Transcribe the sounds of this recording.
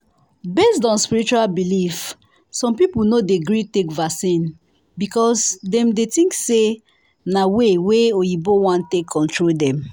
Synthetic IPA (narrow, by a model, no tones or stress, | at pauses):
besdɔ̃nspiɹit͡ʃualbilif | sɔ̃mpipulnodeɡɹitekvasĩn | bikɔsdɛ̃mdetĩŋkse | naweweojibowãntekʰːɔ̃ntɹoldɛ̃m